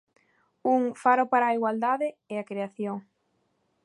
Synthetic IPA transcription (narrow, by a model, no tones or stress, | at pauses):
uŋfaɾopaɾaːiɣwald̪aðɪeakɾeaθjoŋ